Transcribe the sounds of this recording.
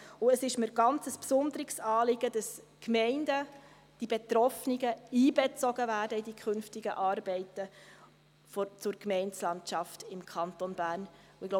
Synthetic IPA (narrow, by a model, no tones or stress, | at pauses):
ʊəsɪʃməɾɡ̥ɑnt͡səspsʊndəɾɪɡsɑːlɪɡ̥əd̥ɑs | kmɛɪndə | d̥ibetɾɔfnɪɡəiːbet͡sɔɡ̥əvæːrdəidikʰχʏnftɪɡəʔɑːrbɛɪtə | fɔt͡sʊɾkmɛɪnt͡slɑntt͡ʃɑftɪmkʰɑntonbæːɾn | uɪɡlo